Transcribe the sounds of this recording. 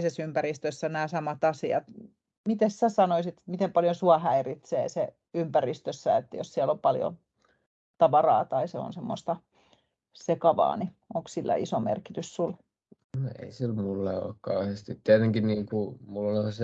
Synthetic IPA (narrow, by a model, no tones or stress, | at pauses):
sesympærist̪øsːænæːsɑmɑt̪ɑsiɑ̰t̪ | mit̪essæsɑnoisit̪mit̪empɑljosuɑhæirit̪sḛːse | ympærist̪øsːæet̪ːæjossiælompɑljo̰ | t̪ɑʋɑrɑ̰ːt̪ɑiseo̰nsemːo̰st̪ɑ | sekɑʋɑ̰ːni | oŋksilːæ̰ʔḭsomḛrkit̪yssul | noḛisilmulːɑo̰ˑːkkɑuhest̪it̪t̪ːeeneŋkinniːŋkumulːose